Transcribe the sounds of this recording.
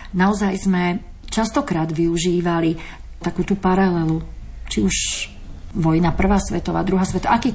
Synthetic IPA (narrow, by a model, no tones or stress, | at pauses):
naɔzajzmɛ | t͡ʃast̪ɔkɾaːd̪ʋiuʒiːʋali | t̪akuːt̪upaɾalɛlut͡ʃiuʃ | ʋɔjnapr̩ʋaːsʋɛt̪ɔʋa̰ːd̪ɾuɦaːsʋɛt̪ɔʔakiː